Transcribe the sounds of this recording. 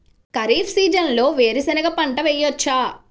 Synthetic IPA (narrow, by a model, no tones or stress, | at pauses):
kɐɾiːfsiːd͡ʒɐnlo̞ːʋeːɾisɐnɐɡɐpɐɳʈɐʋɛjːɔt͡ʃːaː